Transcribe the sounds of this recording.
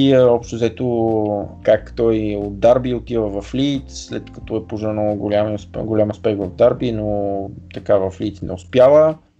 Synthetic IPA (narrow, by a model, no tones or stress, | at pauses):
iəɔpʃt̪ʊzɛt̪o | kakt̪ɔjod̪̚d̪aɾbiʊt̪ivəvɐfliːt̪sslɛt̪kɐ̥t̪ɔɛpoʒnəɡolʲamisɡolʲaməspɛɡvɐvd̪aɾbinot̪ɐkavɐfliːt̪snɛ̰ʊspjalˠə